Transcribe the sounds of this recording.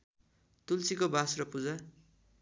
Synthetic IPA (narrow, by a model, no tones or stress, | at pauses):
t̪ult͡sikobasrʌpud͡za